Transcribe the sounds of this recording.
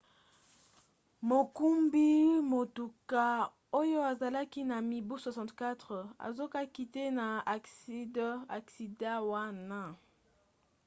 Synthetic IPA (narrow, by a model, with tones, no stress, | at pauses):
mo˨ku˦mbi˦mo˨tu˨ka˦ | o˦jo˦a˨za˨la˦ki˦na˨mi˨bu˦swa˨sɑ̃˨tka˦tʁə˨a̰˨zo˦ka˦ki˦te˦na˨a˨sda̰˨ksi˨da˦wa˦na˦